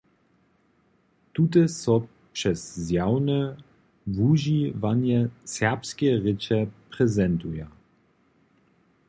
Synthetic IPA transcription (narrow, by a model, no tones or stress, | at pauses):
tutɛsɔ | pʂɛszjawnɛ | vuʒivanjɛsɛʁpskʲɛʁɪt͡ʃɛpʁɛzɛntuja